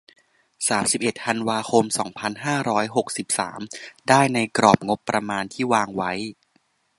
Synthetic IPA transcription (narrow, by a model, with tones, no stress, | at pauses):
saː˩˦msi˨˩p̚ʔe˨˩t̪̚t̪ʰa˧nwaː˧xʰo˧msɔː˩˦ŋpʰa˧nɦaː˥˩ɾɔː˦˥jɦo˨˩k̚si˨˩p̚sa̰ː˩˦mdaː˥˩jna˧jkɾɔː˨˩p̚ŋo˦˥pːɾa˧maː˧nt̪ʰiː˥˩waː˧ŋwa˦˥j